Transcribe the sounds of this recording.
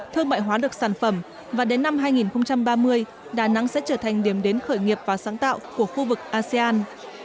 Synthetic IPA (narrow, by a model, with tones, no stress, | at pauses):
t̪ʰɨ˧əŋma̰ː˧˨jɦwaː˨˦ɗɨ˨˩ək̚saː˧˩nfə˧˩m | vaː˨˩ɗe˨˦nːa˧mɦaː˧jŋi˨˩nxə˧wŋ͡mt͡ɕa˧mɓaː˧mɨ˧əj | ɗaː˨˩na̰˨˧˥ŋsɛ̰˧˥t͡ɕəː˧˩t̪ʰa˨˩jŋ̟ɗi˧˩əmɗe˨˦nxəː˧˩jŋi˨˩əp̚vaː˨˩saː˨˦ŋt̪a̰ː˧˨wku˧˩əxu˧vɨ˨˩k̚ʔaː˧sɛ˧ʔaː˧n